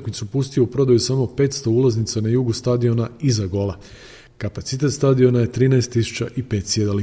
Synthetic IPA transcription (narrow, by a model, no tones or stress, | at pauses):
kmit̪supust̪ijoupɾo̞d̪ajusamo̞pe̞ːt̪st̪o̞uːlaznit̪sanajuɡust̪ad̪io̞naizaɡo̞lˠa | kapat̪sit̪e̞t̪st̪ad̪io̞naje̞t̪ɾiːnaest̪ːisu̥t͡ɕaʔipe̞ːt̪sjed̪ali